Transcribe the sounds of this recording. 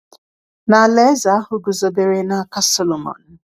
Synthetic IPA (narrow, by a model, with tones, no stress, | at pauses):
na˨le˦za˨a˦hʊ˨ɡʊ˨zo˨be˨ɾe˨na˨˦˨ka˦sɔ˦lo˨mɔ̰˨n̩˨